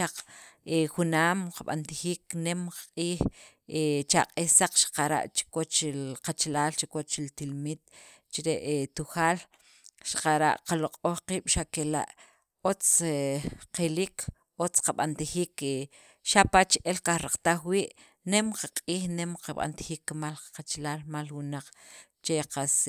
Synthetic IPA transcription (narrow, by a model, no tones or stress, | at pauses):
aq͡χexunaːmqaɓa̰nt̪ixiːknemqḁqʼiːx | et͡ʃaqʼihsaq͡χʃḁqaɾa̰ʔt͡ʃi̥kwot͡ʃqat͡ʃalaːlt͡ʃikwot͡ʃilt̪ilmit̪̚ | t͡ʃiɾeʔet̪uxaːl | ʃḁqaɾa̰ʔqaloqʼoχqiːɓ̥ʃakela̰ʔ | ot͡s | qelik | ot͡sqaɓant̪ixiːke | ʃapat͡ʃʔelkaxɾaq͡χt̪aχwiːʔ | nemqaqʼiːxnemqaɓa̰nt̪i̥xiːkːmalqat͡ʃlaːlmalwunaq͡χ | t͡ʃeqas